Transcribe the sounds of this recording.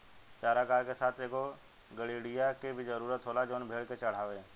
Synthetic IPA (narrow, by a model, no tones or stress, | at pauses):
t͡ʃaːɾakaːɾkesaːt̪ʰeːko | ɡəɽiɽijakebʱizəɾuːɾət̪ɦoːlad͡ʒoːnbʱeːɭket͡ʃəɽ̤aːʋẽː